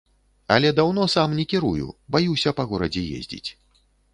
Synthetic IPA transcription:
ɐlʲɛd̪awn̪ɔsamnʲɛkʲiɾujṵbajuwsʲɐpɐɣɔɾɐd͡zʲɛjḛzʲd͡zʲḭt͡sʲ

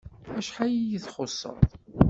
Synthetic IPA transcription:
æʃħajijəθχosˤːə̰ɾˤðˤ

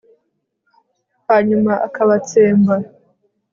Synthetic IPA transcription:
haɲumaʔakaβat͡seːmba

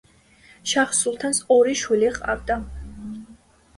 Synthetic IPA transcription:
ʃaχsulˠt̪ʰansɔɾiʃwiliʁʼa̰vd̪a

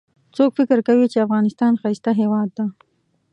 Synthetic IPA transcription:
t͡sokfɪkəɾkawit͡ʃeafɣɑnɪst̪ɑnxajst̪aɦewɑd̪ːa

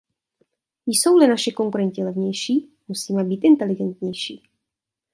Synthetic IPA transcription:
jso̞wlɪnaʃɪko̞ŋkuɾɛɲcɪlɛvɲɛjʃiː | musiːmɛbiːt̪ʔɪnt̪ɛlɪɡɛnt̪ɲɛjʃiː

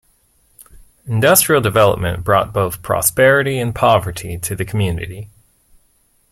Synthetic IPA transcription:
ndʌstɹ̥il̩ˠdɨvɛlˠə̰p̚mɨ̰̃nb̥ɹɔ̰t̚b̥oʊθpʰɹ̥ɑ̰spɛɹɨɾiɨ̃npʰɑvə˞ɾiɾɨðɨkʰmjʉnɨ̰ɾi

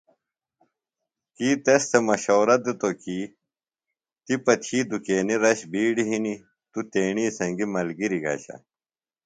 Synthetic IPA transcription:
kiːt̪est̪ʰemɐɕoːɾɐt̪̚d̪et̪oki | t̪ipɐt̪ʰiːd̪ukeːniɾɐɕbiːɽiɦini | t̪ut̪eːɳiːsɐŋɡimɐlɡiɾiɡa̰ːɕɐ̰

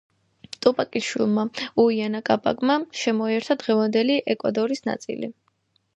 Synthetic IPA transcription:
t̪ʼupʼakʼiʃwḭlˠmauianakʼabʼa̰ɡʼmaʃɛmɔiɛɾt̪ʰad̪ʁɛvand̪ɛliʔɛkʼwa̰d̪ɔɾisna̰t̪sʼḭlḭ

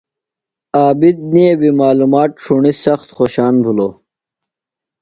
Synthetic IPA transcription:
aːbid̪̚niewimaːlumaːt̪̚ʂʰuɳisɐxt̪xoːɕaːnbʱuloː

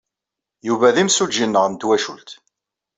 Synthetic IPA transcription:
juvæðimsud͡ʒinːəʁmd̪wæʃult̪

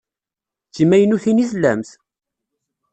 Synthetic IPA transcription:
t͡sːimæjənuθiniθlːæ̰mθ

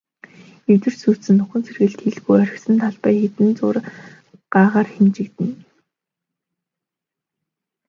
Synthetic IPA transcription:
et̪ɘ̆rsuːsɘ̆nːʊχɘ̆nt͡sʰerɣɘ̆ɮt̪xeɮɣujœɾʲɪ̆xsɘ̆nt̪ʰaɮpæːjxet̪ɘ̆nt͡sʊːr | ɢ̥aːʁaːrxemt͡ɕɪ̆kt̪ɘ̆n

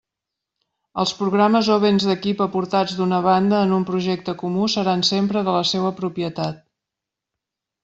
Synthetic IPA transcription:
əlˠspɾuɣɾaməzoβenzðəkipəpuɾt̪ad͡zd̪unəβ̞and̪əːnumpɾuʒɛk̚t̪əkumusəɾansempɾəðələseβəpɾupiət̪at̪̚

